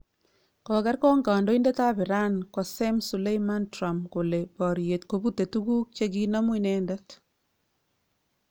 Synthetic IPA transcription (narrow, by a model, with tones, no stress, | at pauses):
kɔ˨kɛ˦rkɔ˦ŋɡaː˨ndo˦i˦ndɛ˦ta˦bɪ˨ɾa˦nkɔ˨se˦msu˨le˦jma˦ntɾa˨mko˨le˨bɔ˨ɾje˨tkobu˦te˨tuɡu˦k̚t͡ʃe˦ki˦nɔ˦mwinɛ˦ndɛt